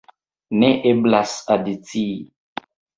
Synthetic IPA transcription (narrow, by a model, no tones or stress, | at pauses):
neʔeblasadit͡sii